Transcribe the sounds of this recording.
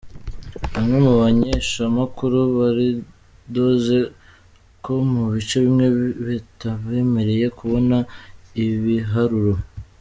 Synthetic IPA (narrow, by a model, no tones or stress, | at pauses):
βamŋe̞muβaɲeʃamakuɾuβaɾi | do̞ːze̞ | ko̞muβit͡ʃeβimŋe̞βetaβe̞ːme̞ɾe̞je̞kuβo̞naiβiɦaɾuɾo̞